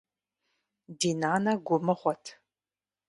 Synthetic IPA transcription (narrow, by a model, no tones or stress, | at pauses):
diːnaːnɐɡʷʊmɨχʷɔtʰ